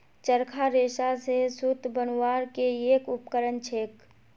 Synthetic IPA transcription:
t͡ʃəɾkʰaɾeːʃasesʊt̪bənwaːɾkeeːkʊpkəɾənt͡ʃʰeːk

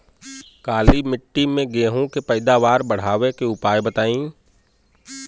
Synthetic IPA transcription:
kaːlimɪʈːimẽɡeːɦõkepɐɪd̪aːʋaːɾbɐɽ̤aːʋekeʊpaːjbɐt̪aːĩː

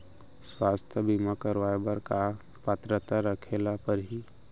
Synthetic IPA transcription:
swaːst̪ʰjəbimakəɾʋaːjbəɾka | pət̪ɾət̪aɾəkʰeːlapəɾɦi

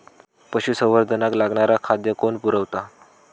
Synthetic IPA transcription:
pəɕusəʋəɾd̪ʱənaklaɡɳaɾakʰad̪jəkoɳpuɾəʋt̪a

